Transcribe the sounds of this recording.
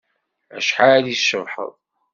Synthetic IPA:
æ̰ʃħaliʃəvħə̰ðˤ

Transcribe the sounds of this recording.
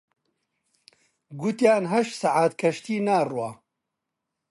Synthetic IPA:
ɡʊt̪jaːnɦɐʃsaʕaːt̪kʰɐʃt̪iːnaːrwaː

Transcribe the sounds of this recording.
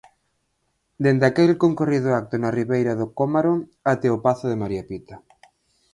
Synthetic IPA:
d̪end̪akelkoŋkoriðʊak̚t̪ʊnariβejɾaðʊkomaɾoat̪ɛopaθʊðemaɾiapit̪ɐ

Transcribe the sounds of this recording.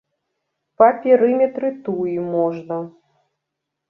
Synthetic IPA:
pɐpʲɛɾɨmʲɛt̪ɾɨt̪uimɔʐnɐ

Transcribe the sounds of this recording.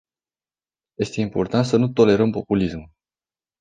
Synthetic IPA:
je̞st̪e̞impo̞rt̪ant̪sənut̪o̞le̞ɾəmpo̞pulismu

